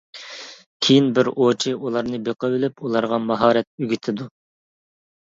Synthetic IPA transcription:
kʲʰejinbɪɾot͡ʃʰiʔulˠɑɾnɨbeqəvɪlɪpulˠɑɾʁɑmɑɦɑːɾɛt̪̚yɡʲit̪ʰɪd̪u

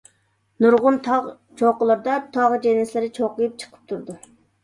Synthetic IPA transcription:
nuɾʁʊnt̪ʰɑʁ | t͡ʃʰoqəlˠəɾd̪ɑt̪ʰɑʁd͡ʒenɪslɪɾɪt͡ʃʰoqəjup̚t͡ʃʰə̥qʰə̥p̚t̪ʰuɾd̪u

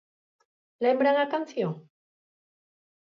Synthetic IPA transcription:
laembɾaŋakanθjo

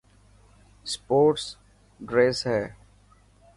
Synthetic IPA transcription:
spoːʈs | ɖɾeːsɦɛː

